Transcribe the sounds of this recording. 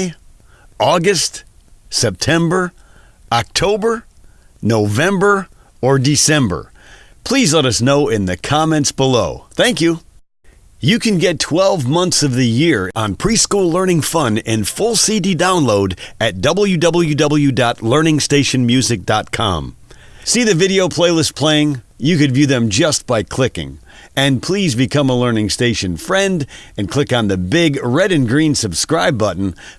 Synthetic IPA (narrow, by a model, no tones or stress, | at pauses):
ɔɡɨst | sɛp̚tʰɛ̃mbə˞ | ɑk̚tʰoʊbə˞ | noʊvɛ̃mbə˞ | ə˞dɨsɛ̃mbə̰˞ | pʰl̥izlɛɾʌsnoʊɪ̃nðɨkʰɑmɛ̃ntsb̥əloʊθæ̃ŋkjʉ | jɨkɨ̃nɡɛtʰw̥ɛlˠvmʌ̃nθsʌvðɨjɪɹə̃npʰɹ̥iskulɜ̃˞nɪ̃ŋfʌ̃nɪ̃nfʊlˠsididãʊ̃nloʊɾɨt̚d̥ʌbl̩ˠjʉdʌbl̩ˠjʉdʌbl̩ˠjʉdɑtˡlɜ̃˞nɪ̃ŋsteɪʃɨ̃nmjʉzɨk̚d̥ɑt̚kʰɑ̰̃m | siðɨvɪɾioʊpʰl̥eɪlˠɪst̚pʰl̥eɪɪ̃ŋ | jɨkɨdvjʉðɨ̃md͡ʒʌst̚b̥aɪkʰl̥ɪkɪ̰̃ŋ | ɨ̃npʰl̥izbɨkʰʌ̃məlɜ˞nɪ̃ŋsteɪʃɨ̃nfɹɛ̃ndɨ̃nkʰl̥ɪkn̩ðɨbɪɡɹɛɾɨ̃nɡɹĩnsɨb̥skɹaɪbʌʔn̩